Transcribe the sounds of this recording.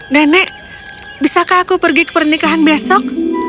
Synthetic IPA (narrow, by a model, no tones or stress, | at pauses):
danɛʔ | bisakaːkupərɡikə̥pərnikaɦanbiasɔk̚